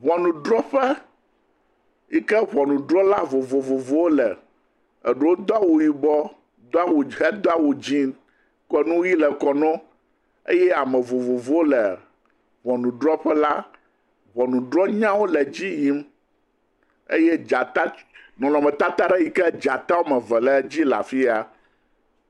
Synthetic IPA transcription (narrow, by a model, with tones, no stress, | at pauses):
βɔ˨nũ˨ɖɾɔ˦ɸɛ˦ | ji˦kɛ˦βɔ˨nũ˨ɖɾɔ˦la˦vo˨vo˨vo˨vo˦wo˦lɛ˨ | ɛ˨ɖo˦wo˦d̪ɔ˦a˦wu˨ji˨bɔ˦ | d̪o˦a˦wu˨ɦɛ˦d̪ɔ˦a˦wu˨d͡ʑĩ˦ | kɔ˨nũ˦ji˦lɛ˨kɔ˨nɔ̃˦ | ḛ˦jɛ˦a˨mɛ̃˨vo˨vo˨vo˦wo˦lɛ˨ | βɔ˨nũ˨ɖɾɔ˦ɸɛ˦la˦ | βɔ˨nũ˨ɖɾɔ˦ɲã˦wo˦lɛ˨d͡ʑi˦ji˦m | ḛ˦jɛ˦d͡ʒa˨t̪a˦nɔ̃˨lɔ̃˨mɛ̃˨t̪a˦t̪a˦ɖɛ˦ji˨kɛ˦d͡ʒa˨t̪a˦wo˦mɛ̃˨vɛ˨lɛ˨d͡ʑi˦la̰˨fi˦a˨